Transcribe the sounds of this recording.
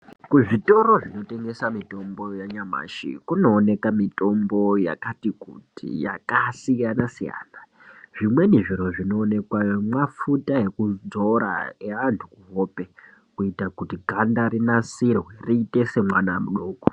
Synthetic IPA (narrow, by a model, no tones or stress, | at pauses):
kuʐito̞ɾo̞ʐino̞te̞ŋɡe̞samito̞mbo̞jaɲama̰ːʃḭkuno̞ːne̞kamito̞mbo̞ja̰katikutḭja̰kasijanasija̰ːna | ʐ̥imwe̞niʐiɾo̞ʐino̞ːne̞kwamwafutae̞kud͡zoɾa̰eʋantʰukuɦope̞ | kuitakutiɡʱandaɾinasirweriite̞se̞mwanamuɗoːko̥